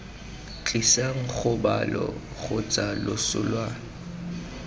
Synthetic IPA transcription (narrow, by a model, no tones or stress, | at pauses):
t͡ɬʼisaŋ̩χʊba̰lɔ̰ | χʊt͡sʼalʊsʊ̰lwaːnɔ